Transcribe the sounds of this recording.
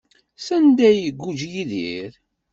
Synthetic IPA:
sænd̪æjɡːud͡ʒjiðiɾ

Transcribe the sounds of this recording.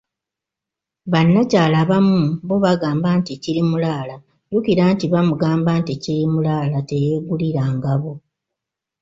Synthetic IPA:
βanːacaːlaβamuβoβaɡaːmbaːnticiɾimulaːla | jukiɾantiβamuɡaːmbaːnticiɾimulaːlate̞je̞ːɡuliɾaːŋɡaβo

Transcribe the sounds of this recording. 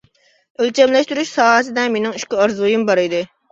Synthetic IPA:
ølt͡ʃɛmlɛʃt̪yɾyʃsɑːɦəsɨd̪ɛmenɪŋyʃkʲiɑɾzujumbɑɾɨd̪ɨ

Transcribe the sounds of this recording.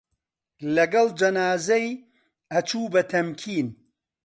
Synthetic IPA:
lɐɡɐlˠd͡ʒɐnaːzɐj | ɐt͡ʃʰuːbɐt̪ʰɐmkʰiːn

